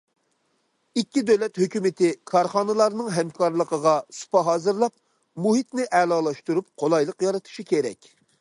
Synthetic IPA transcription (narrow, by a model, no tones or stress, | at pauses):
ikʲːid̪øwlɛt̪høkʲymɪt̪ɪkʰɑɾχɑːnɨlˠɑɾnɨŋɦɛmkʰɑɾlˠəqʰəʁɑsu̥pɑɦɑːzɨɾlˠɑp̚ | muɦit̪nɪʔɛlˠɑːlˠɑʃt̪uɾup̚qʰolˠɑjlˠəqjɑɾɨt̪ʰu̥ʃikʲʰeɾɛ̰kʲ